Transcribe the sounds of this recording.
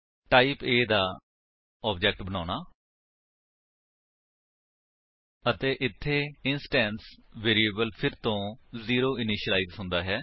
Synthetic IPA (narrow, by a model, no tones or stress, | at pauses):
ʈaːiːpeːd̪aː | ɔːb̚d͡ʒɛːk̚ʈbənaːnaː | ət̪eːʔɪt̪ʰːeːɪnsʈɛ̃ːnsʋeːɾieːbəlpʰɪɾt̪õːziːɾoːɪniːʃəlaːiːzɦʊ̃nd̪aːɦɛː